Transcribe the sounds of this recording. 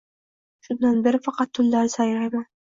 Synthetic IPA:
ʃʊnd̪anbɪɾɪfɑqɑt̪ʰːʊlːaɾɪsɑjɾajman

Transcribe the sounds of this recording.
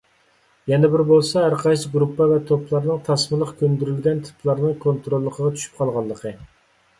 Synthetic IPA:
jɛnɛbɪɾbolˠsɑæɾqʰɑʃɡɾupːɑvɛt̪ʰoplˠɑɾnɨŋt̪ʰɑsmɨlˠəqkʲʰønd̪yɾylɡʲɛnt̪ʰɨ̥plˠɑɾnɨŋkʰont̪ɾolˠːəqʰəʁɑt͡ʃ̪ʰy̥ʃy̥p̚qʰɑlˠʁɑlˠːəqʰə

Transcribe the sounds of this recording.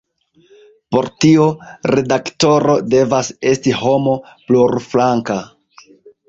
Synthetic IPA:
po̞ɾtioɾe̞dakto̞ɾo̞de̞vase̞stiɦo̞mo̞pluɾflaŋka

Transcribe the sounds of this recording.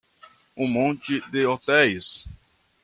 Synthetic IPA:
ʊ̃mõnt͡ʃɪd̪ɪot̪ɛjs

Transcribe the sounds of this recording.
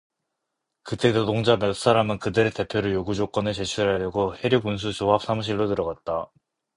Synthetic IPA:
kɯt͈etodoŋd͡ʑamjʌs͈aɾamɯnkɯdɯɾete̞pʰjoɾɯjoɡud͡ʑok͈ʌnɯɭt͡ɕe̞t͡ɕʰuɾɦadeɡohe̞ɾjokuns̬ʰut͡ɕoɦap̚s͈amuɕ̬ʰiɭːotɯɾʌɡat̚t͈a

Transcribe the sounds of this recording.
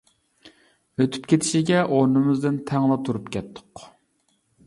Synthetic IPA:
høt̪ʰy̥pkʲʰet̪ʰɪ̥ʃiɡʲɛʔoɾnɨmɨzd̪ɪnt̪ʰɛŋlˠɑt̪ʰuɾupkʲʰɛt̪ʰːʊ̥q

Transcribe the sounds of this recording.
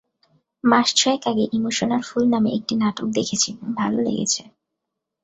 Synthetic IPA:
maʃt͡ɕʰɔekaɡeʔimoʃonaɾfulnameʔek̚ʈinaʈok̚d̪ekʰet͡ɕʰibobʱalolḛɡḛt͡ɕʰe

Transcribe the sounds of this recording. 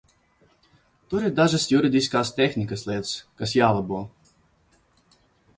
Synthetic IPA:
t̪uɾʲɪd̪aʒɨsjuɾʲɪd̪ʲijskaːst̪ʲɛxʲnʲɪkɐsʲlʲet̪skɐsjalˠɐbɔ

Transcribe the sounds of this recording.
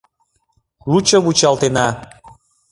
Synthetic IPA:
lut͡ɕəβut͡ɕɑlt̪enɑ

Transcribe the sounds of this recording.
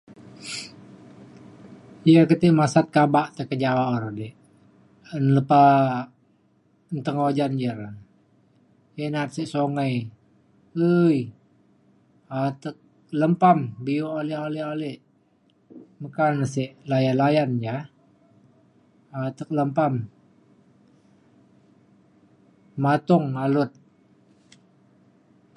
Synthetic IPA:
jakət̪iʔmasat̪̚kabaʔt̪əkəd͡ʒawaoɾadɛʔ | ənləpa | nt̪əŋod͡ʒand͡ʒəɾan | janat̪̚siʔsoŋaj | əj | at̪ək̚ | ləmpambiuʔolɛʔolɛʔolɛʔ | məkanseʔlajanlajand͡ʒa | at̪ək̚ləmpam | mat̪ʊŋalʊt̪̚

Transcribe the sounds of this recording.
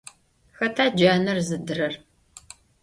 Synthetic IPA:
xɐtʰaːd͡ʒaːnɐrzɨdɨrɐr

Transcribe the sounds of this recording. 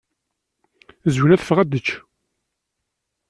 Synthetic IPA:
zwnæθə̥fʁæd̪ət͡ʃː

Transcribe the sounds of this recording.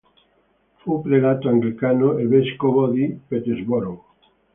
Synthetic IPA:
fupɾelat̪oaŋɡlikanoelβeskoβoðipet̪ezβoɾow

